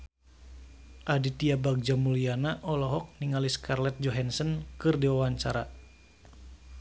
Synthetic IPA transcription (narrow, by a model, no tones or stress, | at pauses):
ʔadit̪iabaɡ̚d͡ʒamulianaʔɔlɔɦɔk̚niŋaliskarlɛt̪̚d͡ʒɔɦansənkɨrdiwawaɲt͡ʃaɾa